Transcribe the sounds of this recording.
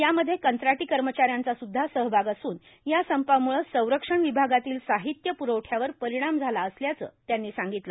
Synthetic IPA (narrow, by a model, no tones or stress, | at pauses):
jaməd̪ʱjekənt̪ɾaʈiːkəɾmət͡ɕaɾjant͡sasud̪ʱːasəɦbʱaɡasuːn | jasəmpamuɭəsə̃w̃ɾəkʂəɳʋibʱaɡat̪iːlsaɦit̪jəpuɾowʈʰjaʋəɾpəɾiɽ̃amd͡zʱalaəsljat͡sə̰ːt̪janːiːsaŋɡit̪lə